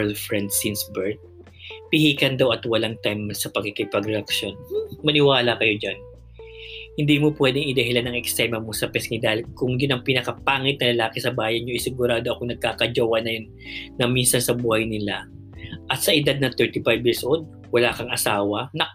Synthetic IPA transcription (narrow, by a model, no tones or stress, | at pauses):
lfɹɛnd̪sɪnsbɛɹt̪̚ | pɪhiːkɐnd̪ɐwʔɐt̪wɐlaŋt̪ajmsɐpɐɡkɪkɪpɐɡɾɛʔɐkʃjo̞nmɐnɪwaːlɐkɐjo̞d͡ʒan | hɪnd̪iːmopwɛd̪ɛŋɪd̪ɐɦɪlanɐŋɛkst̪ɛmɐmosɐpɛskɪd̪aːhɪlkʊŋjʊnɐŋpɪnɐkɐpaːŋɪt̪̚nɐlɐlaːkɪsɐbaːjɐnɲoʔɪsɪɡʊɾaːd̪o̞ʔɐkonɐɡ̚kaːkɐd͡ʒɐwɐnɐjon | nɐminsɐnsɐbuːhɐjnɪla | ʔɐt̪sɐʔɪd̪ad̪̚nɐt̪ɛɹt̪ifajbjɪɹsʔowld̪̚ | wɐlaːkɐŋɐsaːwɐnɐ